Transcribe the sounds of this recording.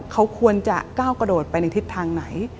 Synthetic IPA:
kʰa˦˥wkʰu˧ənt͡ɕa˨˩ʔkaː˥˩wkɾa˧doː˨˩t̪̚pa˧jna˧jt̪ʰi˦˥t̪ʰːaː˧ŋna˩˦j

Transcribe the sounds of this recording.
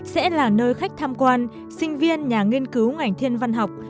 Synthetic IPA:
sɛ̰˧˥laː˨˩nəː˧jxa˦˥jk̚t̪ʰaː˧mkwaː˧n | sï˧ŋ̟vi˧ənɲaː˨˩ŋi˧ənkɨ˨˦wŋa˨˩jŋ̟t̪ʰi˧ənva˧nɦa˨˩wk͡p̚

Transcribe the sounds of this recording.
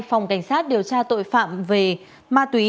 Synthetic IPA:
fwŋ͡mka˧˩jŋ̟saː˦˥t̚ɗi˨˩əwt͡ɕaː˧t̪o̰˧˨jfa̰ː˧˨mve˨˩ | maː˧t̪wi˨˦

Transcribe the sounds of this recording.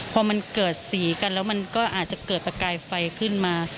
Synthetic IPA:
pʰɔː˧ma˧nkɤː˨˩t̪̚siː˩˦ka˧nlɛː˦˥wma˧nkɔː˥˩ʔaː˨˩t̪̚t͡ɕa˨˩kɤː˨˩t̪̚pa˧kaː˧jfa˧jkʰɯ˥˩nmaː˧

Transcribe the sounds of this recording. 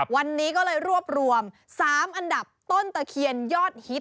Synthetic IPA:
wa˧nːiː˦˥kɔː˥˩lɤː˧jɾu˥˩əp̚ɾu˧əm | saː˩˦mʔa˧nda˨˩p̚t̪o˥˩nt̪a˧kʰi˧ənjɔː˥˩t̪̚hi˦˥t̚

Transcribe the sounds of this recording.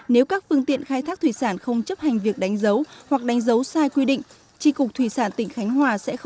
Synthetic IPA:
ne˨˦wkaː˦˥k̚fɨ˧əŋt̪ḭ˧˨ənxaː˧jt̪ʰaː˦˥k̚t̪ʰwi˧˨˩saː˧˩nxə˧wŋ͡mt͡ɕə˦˥p̚ha˨˩ŋ̟vi˨˩ək̚ɗa˨˦jŋ̟zə˨˦whwa˨˩k̚ɗa˨˦jŋ̟zə˨˦wsaː˧jkwi˧ɗḭ̈˧˨ŋ̟ | t͡ɕi˧kʊ˨˩k͡p̚t̪ʰwi˧˩saː˧˩nt̪ï˧˩ŋ̟xa˨˦jŋ̟hwaː˨˩sɛ̰˧˥x

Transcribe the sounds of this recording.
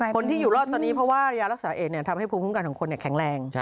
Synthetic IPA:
kʰo˧nt̪ʰiː˥˩uː˨˩ɾɔː˥˩p̚t̪ɔː˧niː˦˥pʰɾɔ˦˥waː˥˧jaː˧ɾa˦k̚saː˩˦ʔeː˨˩ni˥˩ɐt̪ʰa˧mha˥˩jpʰuː˧mʰu˦˥kaː˧nkʰɔː˩˦kʰo˧ni˧˩kʰɛ˩˦ŋɾɛː˧ŋ

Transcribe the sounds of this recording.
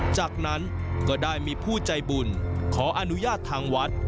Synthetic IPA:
t͡ɕaː˨˩k̚na˦˥n | kɔː˥˩daː˥˩jmiː˧pʰuː˥˩t͡ɕa˧jbuː˧˩nkʰɔː˩˦ʔa˧nu˦˥jaː˥˩t̪ʰːaː˧ŋwa˦˥t̪̚

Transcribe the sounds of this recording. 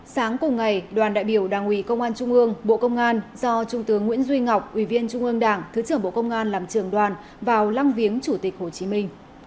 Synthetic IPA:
saː˨˦ŋkʊ˨˩ŋ͡mŋa˨˩jɗwaː˨˩nɗa̰ː˧˨jɓi˧˩əwɗaː˨˩ŋʔwi˨˦kə˧wŋ͡mʔaː˧nt͡ɕʊ˧ŋ͡mʔɨ˧əŋɓo̰˧˨kə˧wŋ͡mʔaː˧nzɔ˧t͡ɕʊ˧ŋ͡mt̪ɨ˨˦əŋːḭ˧˥ənzwi˧ŋa˨˩wk͡p̚ʔwi˧˩vi˧ənt͡ɕʊ˧ŋ͡mʔɨ˧əŋɗaː˧˩ŋt̪ʰɨ˨˦t͡ɕɨ˧˩əŋɓo̰˧˨kə˧wŋ͡mʔaː˧nlaː˨˩mt͡ɕɨ˧˩əŋɗwaː˨˩n | vaː˨˩wla˧ŋvi˨˦əŋt͡ɕu˧˩t̪ï˨˩k̚ho˨˩t͡ɕi˨˦mï˧ŋ̟

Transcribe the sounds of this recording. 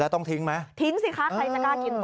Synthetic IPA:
aː˨˧˩t̪ɔ˧˩ŋt̪ʰi˨˦əŋma˨˦t̪ʰi˨˦əŋsi˧˥xaː˨˥tʰa˧jsa˧˩kaː˧˩ki˨˩ə˦n

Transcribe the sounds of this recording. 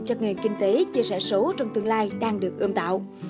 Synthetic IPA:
t͡ɕə˧˩ne˨˩nkï˧ŋ̟t̪e˨˦t͡ɕi˧sɛ˧˩so˨˦t͡ɕɔ˧wŋ͡mt̪ɨ˧əŋlaː˧jɗaː˧ŋɗɨ˨˩ək̚ʔɨ˧mt̪a̰ː˧˨w

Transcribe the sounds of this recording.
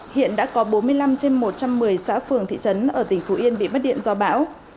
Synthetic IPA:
hḭ˧˨ənɗa̰ː˧˥kɔ˨˦ɓo˨˦nmɨ˧əjla˧mt͡ɕe˧nmo˨˩t̚t͡ɕa˧mːɨ˨˩əjsa̰ː˧˥fɨ˨˩əŋt̪ʰḭ˧˨t͡ɕə˨˦nʔəː˧˩t̪ï˧˩ŋ̟fo˨˦ʔi˧ənɓḭ˧˨mə˦˥t̚ɗḭ˧˨ə˨nzɔ˧ɓa̰ː˧˥w

